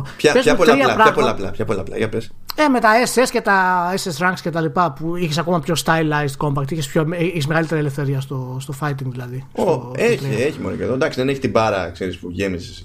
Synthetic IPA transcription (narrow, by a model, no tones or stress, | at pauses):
pçɐpezɐpoɐɐɾapolɐplɐ̰pçɐpolɐplɐ̰ʝɐples | eme̞t̪ɐesesce̞t̪ɐesesɾɐŋɡkscet̪ɐlipɐpuiçesɐko̞mɐpço̞st̪ɐjlɐjst̪ko̞mbɐkt̪içespçoiçesmeɣɐlit̪e̞ɾielefθe̞ɾiɐst̪ost̪o̞fɐjt̪iŋɡðilɐðisooek̪lieçimonoipo̰ðod̪ɐksiðeneçi̥t̪ibɐɾɐ̰kseɾispuʝemizes